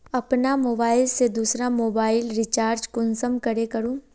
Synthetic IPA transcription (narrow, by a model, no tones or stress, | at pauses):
ɐpnamoːbaːɪlsed̪uːsɾamoːbaːɪlɾɪt͡ʃaːɾd͡ʒkʊnsəmkɐɾekɐɾũː